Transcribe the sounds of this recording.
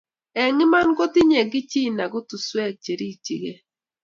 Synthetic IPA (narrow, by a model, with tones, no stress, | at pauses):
ɛ˨ŋɪ˦ma˦nɡo˦tɪ˦ɲɛ˨ɡɪ˦t͡ʃi˦˨na˨ɡʊ˦tu˨swɛ˦˨k̚t͡ʃe˨ɾi˦˨t͡ʃḭ˨ɡe˦